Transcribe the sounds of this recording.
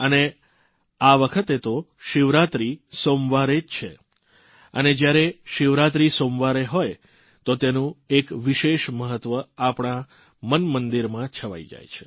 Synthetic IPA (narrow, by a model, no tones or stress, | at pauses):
əne | aʋəkʰət̪et̪o | ʃɪʋɾat̪ɾisomʋaɾed͡ʒt͡ʃʰḛ | ə̰ned͡ʒjaɾeʃɪʋɾat̪̬ɾisomʋaɾeɦoj | t̪ot̪enũekʋiʃeʃməɦət̪ːʋəapɳ̃a | mənmənd̪iɾmãt͡ʃʰəʋa̰id͡ʒa̰jt͡ʃʰe̥